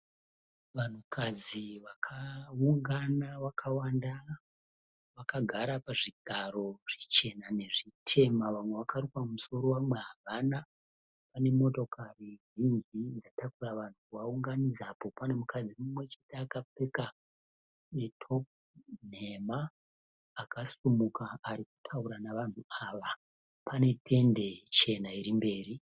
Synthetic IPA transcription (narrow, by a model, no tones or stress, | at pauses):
ʋan̤ukʰad͡ziʋakʰauŋɡanaʋakʰawanda | ʋakaɡʱaɾapaʐiɡʱaɾo̞ʐ̥it͡ʃe̞nane̞ʐitʰe̞maʋamwe̞ʋakarikamuso̞ɾo̞wamwe̞ɦaʋana | pane̞mo̞to̞karirind͡ʒid͡zatakuraʋan̤ukwauŋɡanid͡zapo̞pane̞mukad͡zimumwe̞t͡ʃe̞teːkap͡fe̞ka | netʰo̞p̚ | n̤e̞maː | kasumukaːɾiku̥tʰauɾanaʋan̤uaʋa | pʰane̞tʰe̞nde̞t͡ʃe̞naiɾimbe̞ːɾi